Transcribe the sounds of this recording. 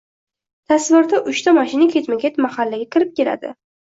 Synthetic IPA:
t̪ʰasvʊɾd̪aʔʊʃt̪ʰamaʃɪnakʲʰe̞t͡ʃ̪maɡʲet̪mahalːaɡʲakʲʰɪɾɪp̚kʲe̞la̰d̪ɪ̰

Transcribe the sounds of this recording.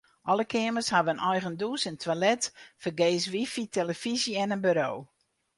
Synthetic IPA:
ʔɔləkʰɪəməshaʋənɔjɣənduːsəntʰwʋalɛtfərɡeːsʋifitʰeləfiziɛnənbyɾoː

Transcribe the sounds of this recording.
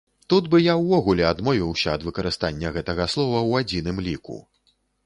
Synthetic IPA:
t̪ud̪bɨjawːɔɣulʲɛad̪mɔvʲiwsʲɐːd̪vɨkɐɾɨst̪anʲːɐɣɛt̪ɐɣɐslˠɔvɐwad͡zʲin̪ɨmlʲikṵ

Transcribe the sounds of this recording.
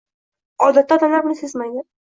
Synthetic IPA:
ɒd̪at̪ːad̪anabnɪsezmajd̪ɪ

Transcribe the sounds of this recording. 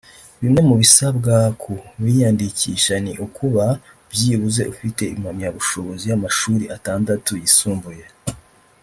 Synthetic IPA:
βimŋe̞muβisabɡakʰuβijandiciʃaniʔukuβa | bjiːβuze̞ʔufite̞imhamɲaβuʃo̞βo̞zijamaʃuːɾiʔataːndatujisuːmbuje

